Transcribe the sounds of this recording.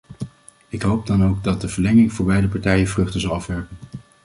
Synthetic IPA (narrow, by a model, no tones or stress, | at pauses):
ɪkɦowb̚dɑnowɡ̚dɑt̚dəvəɹlɛŋɪŋvʊːɹbɛjdəpɑɹtɛjənvrɵχtəzɑlˠɑfʋɛɹpən